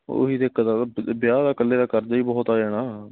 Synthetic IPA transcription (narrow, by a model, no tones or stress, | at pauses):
o̰ɦiːd̪ekːd̪aːbjaːd̪aːkəlːeːd̪aːkəɾd̪aːiːbɔːt̪aːd͡ʒɛːɽaː